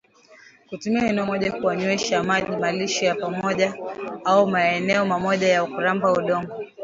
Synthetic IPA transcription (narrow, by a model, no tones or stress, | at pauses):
kutumiaɛnɛmɔʄakuaɲwɛʃamaʄimaliʃɔjapamɔʄaaumaɛnɛɔmamɔʄajaukuɾambauɗɔŋɡɔ